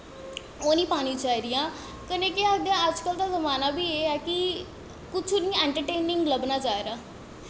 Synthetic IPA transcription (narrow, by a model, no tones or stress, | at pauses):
oːnĩːpaːñĩːt͡ʃaːiːd̪ɪjãː | kənẽːkead̪jãːəd͡ʒkəlt̪aːzəmaːnaːbiːeːɛːkɪ | kʊt͡ʃʰonĩːɛ̃ːɳʈəɾʈeːnɪ̃ŋɡləbnaːt͡ʃaːeɾaː